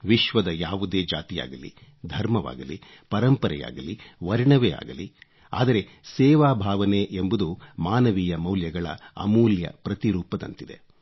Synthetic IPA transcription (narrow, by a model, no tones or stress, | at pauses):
ʋiʃʋɐd̪ɐjaːʋud̪e̞ːd͡ʒaːt̪ija̰ːɡɐlḭ | d̪ʱɐɾmɐʋa̰ːɡɐli | pɐɾɐmpɐɾɛ̰ja̰ːɡɐliʋɐɾiɳɐʋɛja̰ːɡɐli | a̰ːd̪ɐɾe̞ | sɛːʋaːbʱaːʋɐneʔembud̪umaːnɐʋijɐmɐwljɐɡɐɭɐ̰ɐ̰muːljɐ̰pɾɐt̪iɾuːpɐd̪ɐ̰nt̪id̪e̞̰